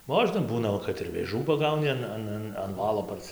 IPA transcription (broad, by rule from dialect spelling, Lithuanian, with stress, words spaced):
ˈmoːʒnɐ ˈbuːnɐ ˈʋɐ kɐt ɪr ʋʲeːˈʒuː pɐˈɡɐʊnʲɪ ɐn ˈɐn ˈɐn ɐn ˈʋɑːlˠoː pɐrʲˈsʲɪ